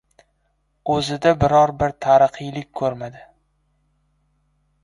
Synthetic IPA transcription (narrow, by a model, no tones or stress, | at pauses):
ɵzɪd̪abɪɾɒɾbɪɾt̪ʰaɾɨqʰɨjlɪk̚ʲkʰɵɾmad̪ɪ